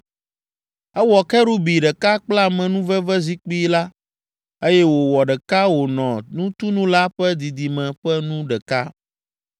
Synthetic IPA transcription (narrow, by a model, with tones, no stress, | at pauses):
ɛ˦wɔ˨kɛ˦ɖu˦bi˨ɖɛ˨ka˦k͡pla˦˨mɛ̃˨nũ˦vɛ˦vɛ˦zi˦k͡pi˦la˦ | e˦jɛ˦wo˨wɔ˨ɖɛ˨ka˦wo˨nɔ̃˨nũ˦t̪u˦nũ˦la˦ɸɛ˦d̪i˨d̪i˨mɛ̃˨ɸɛ˦nũ˦ɖɛ˨ka˦